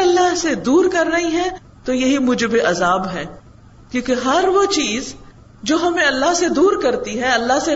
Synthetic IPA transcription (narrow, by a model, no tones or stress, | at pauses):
ɐlːaɦsed̪uːɾkɐɾːɐɦiɦɛ̃ | t̪ojɐɦimʊd͡ʒbeʔɐzaːbɦɛ̃ː | kjõːkeɦɐɾʋot͡ʃiːz | d͡ʒoːɦɐmẽɐlːaɦsed̪uːɾkɐɾt̪iɦɛ̃ɐlːaɦse